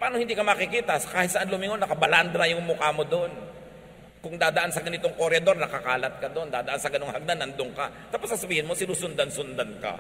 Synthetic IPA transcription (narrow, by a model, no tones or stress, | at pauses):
paaːnohɪnd̪iːkɐmakɪkiːt̪ɐsɐkaːhɪt̪sɐʔanlʊmɪŋonːɐkɐbɐland̪ɾɐjʊŋmʊkamod̪on | kʊŋd̪aːd̪ɐʔansɐɡɐnɪt̪oŋkoɾɛd̪o̞ɾnɐkɐkaːlɐt̪̚kɐd̪o̞nd̪aːd̪ɐʔansɐɡɐnoŋhɐɡ̚nanɐnd̪oŋka̰t̪aːposkɐsɐbiːhɪnmo̞sɪnusʊnd̪ansʊnd̪anka̰